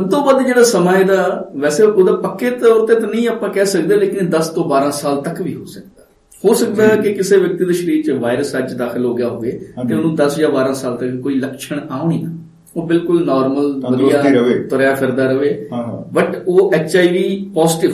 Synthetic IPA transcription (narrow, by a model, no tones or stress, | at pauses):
t̪õːbaːd̪d͡ʒeːɽaːsəmaːed̪aːʋɛːseːʊd̪aːpəkːeːt̪ɔːɾt̪eːt̪anəĩːaːpãːkɛːsəkd̪eːleːkɪnd̪əst̪õːbaːɾãːsaːlt̪əkʋiːɦo̰ːsək̚d̪a | hoːsəkd̪aːkɪkɪseːʋjək̚t̪iːd̪aːʃəɾiːɾt͡ʃəʋaːɪɾəsəd͡ʒd̪aːkʰɪlɦoːɡɪjaːɦoːʋeːt̪eʊnũːd̪əsd͡ʒaːbaːɾãːsaːlt̪əkkoːiːləkʃəɳ̃aːʊɳiːnə | oːbɪlkʊlnɔːɾməlʋəd̪iaːet̪ɔːɾjaːpʰɪɾd̪aːɾəʋeːbəʈoːʔɛːt͡ʃaːiːʋiːpɔːzʈɪ